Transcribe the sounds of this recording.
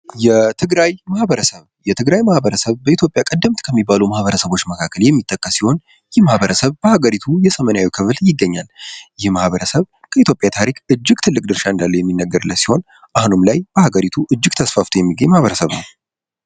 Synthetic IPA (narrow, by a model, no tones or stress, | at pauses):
jɛt̪ʰɨɡɾajmahbəɾəsəβ | jɛt̪ʰɨɡɾajmahbəɾəsəβbəit̪ʰjo̞pʼjakʼəd̪ːɨmt̪kʰəmːibːalumahβəɾəsəβo̞t͡ʃːməkʰakːəljɛmːit̪ʼːəkʼːəsːiho̞n | jɪhmahβəɾəsəβb̥əhaɡəɾit̪ʰujɛsəmənjawikʰɨfɨljɪɡːəɲːaljɪhmahβəɾəsəβ | kʰəit̪jo̞pʼjat̪ʰaɾikɨd͡ʒːɪɡt̪ʰɨlːɨk̚ʼd̪ɨɾʃaɨnd̪alːəwjɛmːinːəɡəɾɨlːəsiho̞n | ʔahnomlajb̥əhaɡəɾit̪ʰuʔɨd͡ʒːɪɡt̪ʰəsfaft̪ʰojɛmːiɡəɲːmahβəɾəsəβnəw